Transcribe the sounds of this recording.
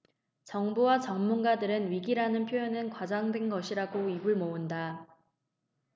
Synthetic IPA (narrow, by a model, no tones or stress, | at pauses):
t͡ɕʌŋbuwat͡ɕʌŋmunɡadɯɾɯnɥiɡiɾanɯnpʰjojʌnɯnkwad͡ʑaŋdwe̞nɡʌɕʰiɾaɡoiɡuɭmounda